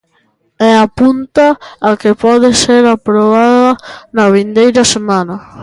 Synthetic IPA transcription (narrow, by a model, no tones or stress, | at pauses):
ɛapunt̪aːkepɔðɪseɾapɾoβaðɐnɐβind̪ejɾɐsemãnɐ